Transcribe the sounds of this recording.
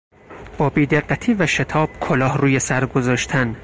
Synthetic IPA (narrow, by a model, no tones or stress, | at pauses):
b̥ɒːbiːd̪eɢːæt̪ʰiːvæʃet̪ʰɒːb̥̚kʰolɒːhruːjesæɾɡozɒːʃt̪ʰæn